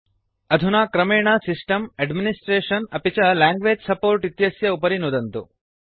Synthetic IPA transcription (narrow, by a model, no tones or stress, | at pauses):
ɐd̪ʱunaːkɾɐmeːɳaːsisʈɐmɐɖminisʈɾeːʂɐnɐpit͡ʃɐlaːŋɡʋeːd͡ʒsɐpoːɾʈit̪jɐsjɐupɐɾinud̪ɐnt̪u